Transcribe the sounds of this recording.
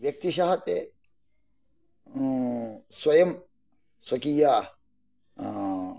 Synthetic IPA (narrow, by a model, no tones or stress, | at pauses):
ʋjɐk̚t̪iʃaɦɐt̪e | swɐjɐm | swɐkijaː